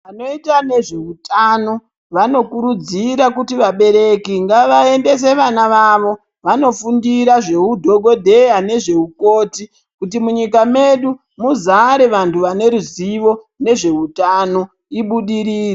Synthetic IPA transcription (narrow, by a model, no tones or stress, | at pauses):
ʋano̞itane̞ʐe̞utano̞ | ʋano̞kuɾud͡ziɾakutiʋaɓe̞ɾe̞kiŋɡaʋae̞nde̞s̬e̞ʋanaʋaʋo̞ | ʋano̞fundiɾaʐe̞udʱo̞ɡʱo̞dʱe̞jane̞ʐe̞uko̞ːti | kutimuɲikame̞ɗu | muzaɾeʋantuʋane̞ɾuziʋo̞ | ne̞ʐe̞utano̞ | iɓuɗiɾiːre